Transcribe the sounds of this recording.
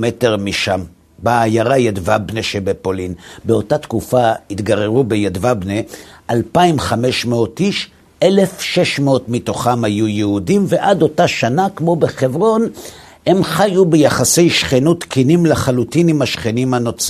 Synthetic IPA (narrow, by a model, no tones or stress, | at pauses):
meteʁmiʃam | baːjaʁajadvabneʃebepo̞linbeo̞tatkufaitɡaʁeʁubejadvabneʔalpaimχameʃmeotiʃ | ʔelefʃeʃmeotmito̞χamhajujeudimve̞ʔado̞taʃanakmo̞beχe̞vʁo̞n | he̞mχajubejaχase̞jʃχenutkinimlaχalutinimhaʃχenimhano̞t͡s